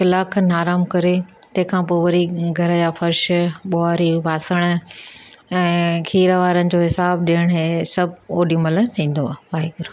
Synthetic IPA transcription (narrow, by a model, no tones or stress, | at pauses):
kɪlaːkʰnaːɾaːmkɐɾet̪ɐ̃ɦɪ̃kʰãːpoːʋɐɾiɡʱɐɾəd͡ʑaːfɐɾʃɓoaːɾiʋaːsəɽ̃ʊ | ɛ̃ːkʰiːɾəʋaːɾənɪ̆d͡ʑoːɦɪsaːb̚ɗijəɽ̃ɦesɐboːɗimɐlət̪ʰĩːn̆d̪oaːʋaːɦiɡɐɾo